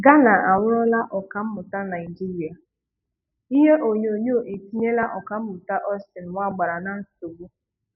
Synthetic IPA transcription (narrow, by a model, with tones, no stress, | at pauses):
ɡa˦na˨ʔa˨wʊ˦ɾɔ˦la˦ʔɔ˨ka˨m̩˦mʊ˨ta˦na˨ɪ˨d͡ʒi˦ɾi˨a˨ | i˦ɦe˦ʔo˨ɲo˨ɲo˦˨ʔe˨ti˦ɲe˦la˦ʔɔ˨ka˨m̩˦mʊ˨ta˦ʔɔ˦sɪ˨n̩˨ŋʷ˦a˦ɡ͡ba˨ɾa˨na˨n̩˦so˨wu˦